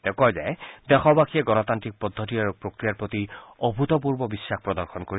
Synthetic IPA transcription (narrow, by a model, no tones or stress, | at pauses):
dɛkɔjzɛ̰jd̪ɛxɔbakiɛɡɔnɔt̪antɹik̚pɔd̪ʱːɔt̬iaɹupɹokɹijaɹpɹot̪iobʱut̪ɔp̬uɹbɔbisːaxpɹɔdɔɹxʰɔnkoɹi